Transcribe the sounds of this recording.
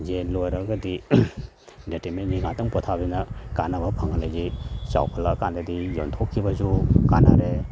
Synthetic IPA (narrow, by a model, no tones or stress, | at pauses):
zelojɾɐɡɐdi | detemenjiŋatɐŋpɔtʰabinɐkanɐbɐpʰaŋanlazisa̰wpʰɐlakandɐdijo̰ntʰokʰːibɐzuka̰na̰ɾe